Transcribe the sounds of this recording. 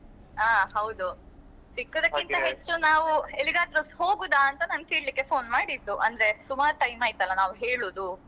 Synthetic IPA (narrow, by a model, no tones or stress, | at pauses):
aːɦɐwd̪u | sikːod̪ɐkːint̪ɐɦet͡ʃːunaːʋueliɡaːt̪ɾɐsho̞ːɡuːd̪aːnt̪ɐnɐnɡkiːɽlikːe̞pʰo̞ːnmaːɽid̪ːuʔɐnd̪ɐɾesumaːɾʈɐjmaːjt̪ɐlːɐnaːʋuɦeːɭoːd̪u